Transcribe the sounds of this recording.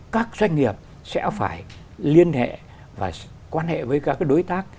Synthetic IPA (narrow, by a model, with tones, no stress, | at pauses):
kaː˦˥k̚zwa˧jŋ̟ŋi˨˩əp̚ | sɛ̰˧˥faː˧˩j | li˧ənhḛ˧˨ | va̰ː˨˩ | kwaː˧nhḛ˧˨vəː˨˦jkaː˦˥kaː˨˦jɗo˨˦jt̪aː˦˥k̚